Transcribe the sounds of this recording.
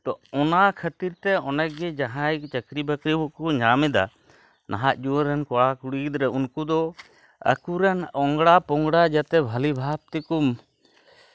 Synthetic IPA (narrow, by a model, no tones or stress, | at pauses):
t̪ɔɔnakʰət̪iɾt̪ɛɔnɛk̚ɡɛd͡ʒaɦãjt͡ʃəkɾibəkɾibukuɲamɛd̪a̰ | nʔaɦaʔd͡ʒuwəɾːɛnkɔɽakuɽiɡid̪ɾɛunkud̪ɔ | ə̰kuɾɛnɔŋɡɽapɔŋɡɽad͡ʒat̪ɛbʱəlibʱap̚t̪ikum